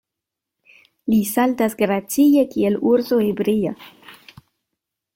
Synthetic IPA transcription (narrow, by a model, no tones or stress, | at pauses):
lisaltasɡɾat͡sije̞kieluɾso̞hebɾia̰